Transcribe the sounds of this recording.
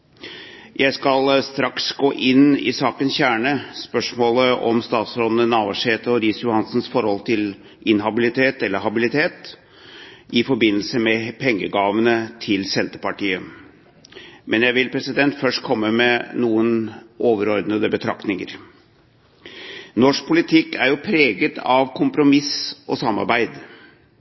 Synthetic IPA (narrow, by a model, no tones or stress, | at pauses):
jʔæɪskɑlst̪ɾɑksɡoːʔɪnɪ̰sɑːkənsçæːɳəspœʂmoːləʔɔ̰mst̪ɑːt̪sɾɔd̪nənɑːʋɑʂheːt̪əɔɾiːsjʊhɑnsn̩sfɔɾhɔlt̪ʰɪl | ʔɪnɦɑbɪlɪt̪ʰeːt̪ɛlːəɾɦɑbɪlɪt̪ʰeːt̪ | ʔɪfɔɾbɪnːl̩səmɛpʰɛŋːəɡɑːʋənət̪ʰɪlsɛnt̪əpɑʈiːə | mʔɛnjæɪʋɪlpʰɾɛsɪd̪ɛnt̪fœʂʈkʰɔmːəmɛnuːənʔoːʋəɾɔɾd̪nəd̪əbət̪ʰɾɑkt̪nɪŋə̰ɾ | nɔʂk̚pʰʊlɪt̪ʰɪkːæɾjʊpʰɾeːɡət̪ʰɑʋkʰʊmpɾʊmɪsʔɔsɑmːɑ̰ɾbæɪd̪